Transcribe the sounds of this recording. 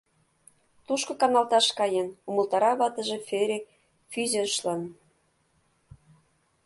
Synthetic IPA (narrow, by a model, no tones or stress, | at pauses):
t̪uʃkɤ̆kɑnɑlt̪ɑʃkɑjenumə̆lt̪ɑɾɑβɑt̪ə̆ʒĕfeɾʲek̚ | fyzeʃlən